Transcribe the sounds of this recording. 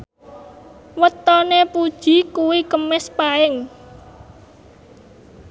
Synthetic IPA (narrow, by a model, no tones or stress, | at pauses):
wət̪ɔnepud̥ʒ̥i̤kuwikəmɪspaɪŋ